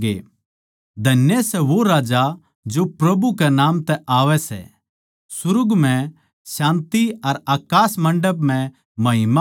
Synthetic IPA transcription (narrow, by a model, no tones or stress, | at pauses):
ḛː | d̪ʱɐnjesɛʋoɾaːd͡ʒa | d͡ʒopɾɐbukɛnaːmt̪ɛʔaːʋɛsɛ̰ | sʊɾʊɡmɛ̃ | ʃãːnt̪iɐɾaːkaːsmɐ̃ɳɖəbm̤ɛ̃ | mɐɦɪma